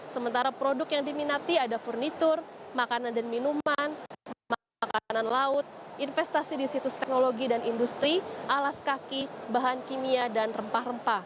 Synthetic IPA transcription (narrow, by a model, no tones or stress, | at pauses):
səmənt̪aɾapɾodʊkjaŋdiminat̪iadafurnit̪ʊrmakanandanminumanm | kananlaʊt̪̚ʔinfɛst̪asidisit̪ʊst̪ɛk̚noloɡidanindust̪ɾiʔalaskakibaɦankimiadanrəmpahrəmpah